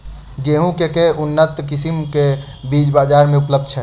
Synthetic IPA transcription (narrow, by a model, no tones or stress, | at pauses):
ɡeɦũkekeunːət̪kisimke | bid͡ʒbaːd͡ʒaːɾmẽupləb̚d̪̚t͡ʃʰɛ